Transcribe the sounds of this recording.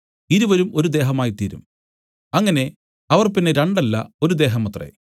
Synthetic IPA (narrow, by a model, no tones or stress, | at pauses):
iɾuʋɐɾumo̞ɾud̪e̞ːɦɐmaːjit̪iːɾṵm | ɐŋːɐne̞ | ɐʋɐrpinːeɾɐɳɖɐlːɐ̰o̞ɾud̪e̞ːɦɐmɐt̪ːrḛ